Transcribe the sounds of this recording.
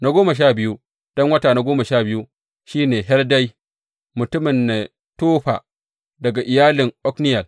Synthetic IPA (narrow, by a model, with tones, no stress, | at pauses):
na˦ɡʷoː˦ma˨ʃ̬aː˦˨bɪ˦ju˦ | d̥ɔ˦ŋwɐ˦taː˨na˦ɡʷoː˦ma˨ʃaː˦˨bɪ˦ju˦ | ʃiː˦neː˨ɦɛ˦lda˦j | mʊ˨tʊ˦mɪ˨nːe˨ | toː˦ɸaː˨ | dɐ˨ɡa˨ʔɪ˨jaː˦lɪ˨ŋʔɔ˦knɪ˦jɐ˨l